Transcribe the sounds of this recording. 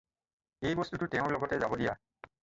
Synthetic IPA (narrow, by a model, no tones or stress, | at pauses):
ejbɔstutʊtɛʊ̃ɹlɔɡɔtɛzabɔdija